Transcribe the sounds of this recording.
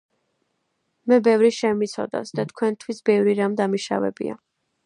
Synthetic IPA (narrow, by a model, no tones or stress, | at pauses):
mɛbɛvɾiʃɛmit̪sʰɔ̰d̪a̰sd̪at̪̚ʰkʰwɛnt̪ʰwisbɛvɾiɾamd̪amiʃa̰vɛ̰bḭa̰